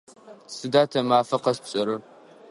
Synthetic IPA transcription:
sɨdaːtʰɐmaːfɐqɐspɕʼɐɾɨ

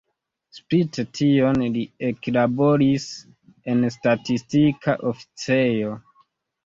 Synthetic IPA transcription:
spittʰio̞nlieklabo̞ɾis | e̞nstatistikʰaʔo̞fi̥t͡se̞jo̞

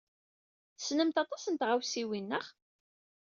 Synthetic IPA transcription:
θsnəmt̪ɑt̪ˤɑsənt̪ʁawsiwinːəχ

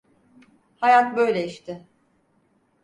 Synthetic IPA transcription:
hajat̪̚bø̞jlʲeiʃt̪ʰɪ

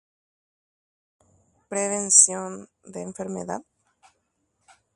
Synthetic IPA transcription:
pɾeβensjond̪eːɱfeɾmḛða̰ð

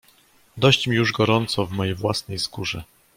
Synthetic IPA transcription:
d̪ɔɕt͡ɕmʲijuʐɡɔɾɔnt̪sɔvmɔjejvwasnɛjskuʐɛ

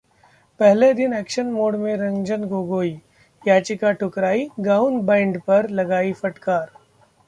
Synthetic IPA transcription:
pɛɦled̪ɪnɛːkʃənmoːɽmẽɾɐ̃ŋɡd͡ʒənɡoɡoːi | jaːt͡ʃɪkaʈʰʊkɾaːiɡaːʊnbãːɳɖpɐɾlɐɡaːifɐʈkaːɾ

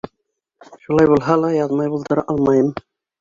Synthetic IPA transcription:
ʃulɑjbʊlˠɦalajɑd̪mɑjbʊlˠd̪əɾʔɑlmɑjəm

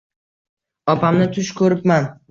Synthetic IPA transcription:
ɒpʰamnɪt̪ʰʊʃkʰɵɾɪpman

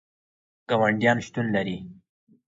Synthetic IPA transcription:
ɡ̥awaɳɖjɑnʃt̪unlaɾi

